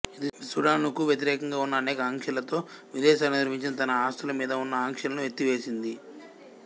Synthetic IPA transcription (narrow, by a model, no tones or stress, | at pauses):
id̪isuɾaːnukuʋjɐt̪̬iɾɛːkɐŋɡaːunːɐːnɛːkɐːŋkʂɐlɐt̪o̞ːʋid̪ɛːʃaːlnud̪ɐɾpiɲt͡ʃinɐt̪ɐnɐaːst̪ʰɐlɐmiːd̪ɐunːɐaːŋkʂɐlɐnuʋjet̪ːiʋe̞ːsind̪i